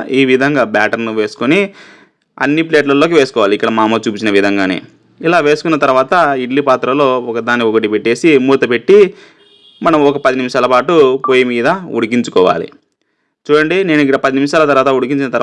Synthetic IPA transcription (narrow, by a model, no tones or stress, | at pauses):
iːʋid̪ʱɐŋɡaːbaːʈɐɾnuʋe̞ːsu̥koni | ɐ̰nːipleːʈlɐlːoːk̬iʋe̞ːsukɔːʋaːlikːɐɽɐmaːmɐt͡ʃuːpit͡ʃinɐʋid̪ʱɐŋɡaːne̞̰ː | ilaːʋe̞ːsu̥kunːɐt̪ɐɾuʋaːt̪ɐiɽlipaːt̪ɾɐlo̞ːɔkɐd̪aːnːiɔkɐʈ̬ipeʈːe̞ːsimuːt̪ɐpe̞ʈːi | mɐnɐmɔkɐpɐd̪inimʃaːlɐpaːʈupoːjɐmiːd̪ɐuɽik̬iɲt͡ʃukɔːʋa̰ːlḭ | t͡ʃuːɽɐɳɖine̞ːnuiɡɐɐpɐd̪inimʃaːlɐt̪ɐɾaːt̪ɐuɽik̬iɲt͡ʃinɐt̪ɐɾ